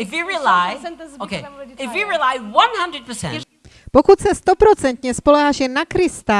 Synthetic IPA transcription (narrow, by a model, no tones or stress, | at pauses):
ɪfjiɹilaɪokʰeɪfjiɹilaɪwʌ̃nhʌ̃ndɹəd̚pʰəsɛ̰̃ | pokut̪sɛst̪opɾot͡sɛnt̪ɲɛspolɛɦaʒɛnakɾɪst̪a